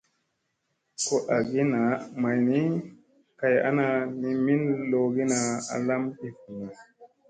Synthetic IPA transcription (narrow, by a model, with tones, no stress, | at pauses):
ko˦ʔa˨ɡi˦na˨ma˨jni˦ | ka˨ja̰˦na˧ni˧mi˦nlo˧ɡi˦na˧a̰˨la˦mɗi˦fu˨na˨